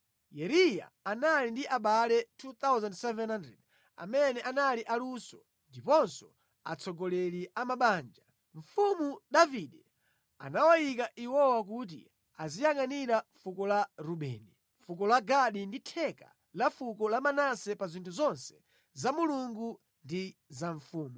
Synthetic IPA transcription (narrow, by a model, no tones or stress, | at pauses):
jɛɾija̰ːnalindiʔaɓalɛtʰut̪awzandsɛvɛnhandɾɛd | a̰mɛnɛʔanaliʔalusɔ | ndipɔnsɔ | a̰t͡sʰɔɡɔlɛliʔamaɓaːnd͡ʒa | ɱ̩fumuɗaviɗɛ | a̰nawajik̬aʔiwɔwak̬ut̬ḭ | azijaŋaniɾafukɔlaɾuɓɛ̰ːni | fukɔlaɡaɗinditʰɛka̰ | lafukɔlamanasɛpazintʰuzɔnsɛ̥ | zamuluŋɡu | ndizaɱfuːmu